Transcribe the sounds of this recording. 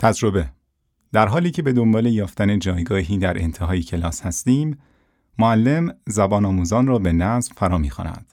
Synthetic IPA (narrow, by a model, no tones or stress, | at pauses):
t̪ʰæd͡ʒɾo̞be̞ | d̪̥æɾɦɒːliːcʰe̞be̞d̪o̞mbɒːle̞jɒːft̪æne̞d͡ʒɒːjɡɒːɦiːd̪æɾʔe̞̰nt̪ʰeɦɒːjicʰe̞lɒːshæst̪iːmː | oælːe̞mzæbɒːnɒːmuːzɒːnrɒːbe̞næzvfæɾɒːmiːxɑ̰ːnæ̰d̪̥